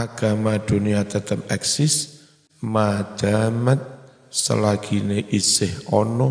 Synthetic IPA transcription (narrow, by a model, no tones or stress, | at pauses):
aɡ̥amad̪̥o̤niat̪ət̪əmɛk̚sɪs | mad̪̥a̤mət̪̚ | sə̰laɡ̥ineʔisɪhɔnɔ